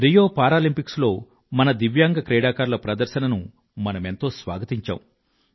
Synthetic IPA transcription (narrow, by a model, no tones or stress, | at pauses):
ɾijo̞ːpaːɾaːlimpikslo̞ː | mɐnɐd̪iʋjaːŋɡɐkɾɛːɽaːkaːɾlɐpɾɐd̪ɐɾʃɐnɐnu | mɐnɐme̞nt̪o̞ːsʋa̰ːɡɐt̪iɲt͡ʃa̰ːwu